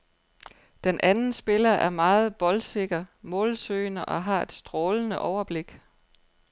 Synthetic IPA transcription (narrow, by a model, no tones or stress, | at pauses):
d̥enʔænn̩sb̥e̝lɐʔæɐmɑ̈ːð̞̩ˠb̥ɒ̽lse̝ɡ̥ɐmɔ̽ːlsøːɪnəʔɒ̽ɦɑ̈e̝d̥sd̥ʁɔːlnəʔɒʊɐb̥le̝ɡ̥